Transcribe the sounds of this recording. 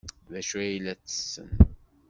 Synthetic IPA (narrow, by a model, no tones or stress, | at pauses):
ðæʃuæjlæt͡sːə̥sːə̰n